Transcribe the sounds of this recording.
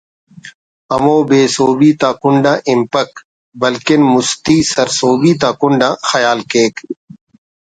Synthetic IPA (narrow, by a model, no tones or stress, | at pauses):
ɐmoːbeːsoːbiːt̪aːkʊɳɖãːʔɪmpək | bɐlkɪnmʊst̪iːsɐɾsoːbiːt̪aːkʊɳɖãːxɐjaːlkeːk